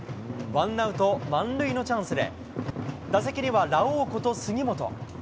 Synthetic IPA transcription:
βãnːaɯ̟t̪o̞mãnɾɯ̟ino̞t͡ɕãɰ̃sɨd̪e̞̰ | d̪as̬ekʲiɲ̟iβaɾaoːkot̪o̞sɨɡʲimo̞t̪o̞̰

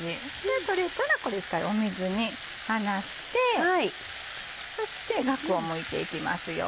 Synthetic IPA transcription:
i | et̪o̞ɾʲikaɾako̞ɾe̞ikːaio̞mezɨɲ̟i | hanaɕi̥t̪e̞ai | so̞ɕi̥t̪e̞ɡakɯ̟o̞mɯ̟it̪e̞̰ikʲima̰sɨjo̰

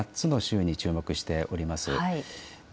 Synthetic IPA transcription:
at͡sɨno̞ɕɨːɲ̟it͡ɕɨːmo̞kɯ̟ɕi̥t̪e̞ʔo̞ɾʲimasɨ̰i

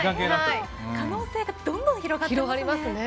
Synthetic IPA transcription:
kãŋkeːnãai | kano̞ːse̞ːɡad̪õ̞nd̪õɰ̃çiɾo̞ɡat̪iɾeoɡaɾʲiimasɨne

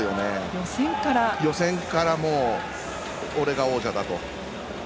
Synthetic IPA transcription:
jo̞nejosẽŋkaɾajo̞sẽ̞ŋkaɾamo̞ː | oɾe̞ɡao̞ːʑad̪at̪o̞

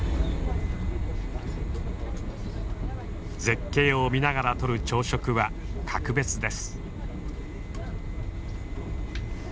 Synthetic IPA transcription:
ze̞kːe̞ːomʲinaɣaɾat̪o̞ɾɯ̟t͡ɕo̞ːɕo̞kɯ̟βakʰakɯ̟be̞t͡sɨd̪e̞sɨ̥

